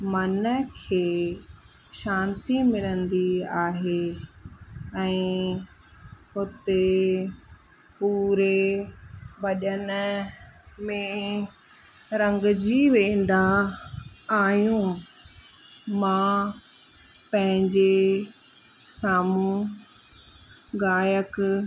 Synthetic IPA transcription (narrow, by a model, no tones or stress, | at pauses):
mɐnəkʰeː | ʃãːnt̪imɪlə̃nd̪iaːɦeː | ɛ̃ː | ɦʊt̪e | puːɾe | bɐʄənə | mẽ | ɾɐ̃ŋɡd͡ʑiʋẽːnd̪a | aːjũ | mã | pɐ̃ɦɪ̃ɲd͡ʑe | saːmũ | ɡaːjək